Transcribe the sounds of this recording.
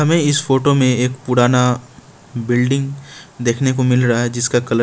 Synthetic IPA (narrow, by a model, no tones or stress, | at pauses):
ɦɐmẽɪsfoːʈomẽeːkpʊɽaːna | bɪlɖɪ̃ŋɡd̪eːkʰnekomɪlɾɐɦaɦɛd͡ʒɪskakɐlə